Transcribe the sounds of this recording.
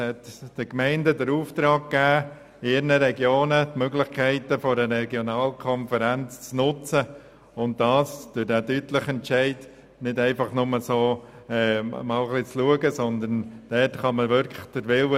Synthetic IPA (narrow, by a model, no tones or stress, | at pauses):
hɛtd̥əkmɛɪndədəɾuːft̪ɾɑːkkːæː | ɪɾnəɾɛɡjoːnətmøɡlɪχkʰɛɪtəfoɾəɾɛɡjonɑːlkʰɔnfəɾænt͡st͡snʊt͡sə | ʊnt̚d̥ɑːsd̥ədæːdytləχɛnt͡ʃɛɪd | nɪdɛɪfɑχnʊməsoː | ɛːmɑːlχlit͡sluəɡəsɔnd̪ənd̥ɛtχɑməʋʏɾkʰlə̥χd̥əɾʋɪlə